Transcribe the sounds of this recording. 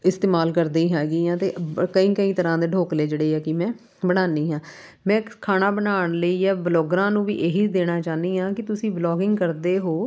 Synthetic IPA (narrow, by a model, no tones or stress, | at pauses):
ɪst̪eːmaːlkəɾd̪iːɦɛːɡiːãːt̪eːkəĩːkəĩːt̪əɾãːd̪eːɖʱoːkleːd͡ʒeːɽeːɛːkɪmɛ̃ː | bəɽaːniːɦãː | mɛ̃ːkʰaːnaːbənaːɳ̃ləiːɛːbloːɡɾãːnũːʋḭːʔeːɦiːd̪eːnaːt͡ʃaːniːɦãːkɪt̪ʊsĩːblɔːɡɪŋɡkəɾd̪eːɦoː